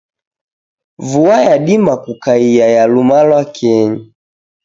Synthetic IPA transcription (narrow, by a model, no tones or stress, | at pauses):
vuajaɗimakukaijajalumalwakʰɛɲi